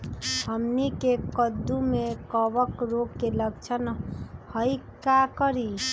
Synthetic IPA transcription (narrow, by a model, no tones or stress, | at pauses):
həmnikekəd̪ːumekəbəkɾoɡkeləɡt͡ʃʰənhəjkakəɾi